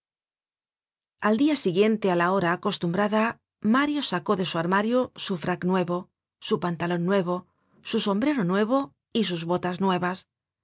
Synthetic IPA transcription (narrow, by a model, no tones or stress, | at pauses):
ald̪iasiɣje̞nt̪ealao̞ɾaːko̞st̪umbɾaða | maɾjo̞sako̞ðe̞suaɾmaɾjosufɾaknwe̞βo̞ | supant̪alo̞nːwe̞β̞o̞ | suso̞mbɾe̞ɾo̞nwe̞β̞o̞ | is̬uzβo̞t̪aznwe̞β̞as